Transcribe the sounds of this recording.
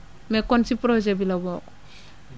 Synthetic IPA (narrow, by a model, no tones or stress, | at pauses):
mɛkːɔnsipɾɔzɛbilabɔk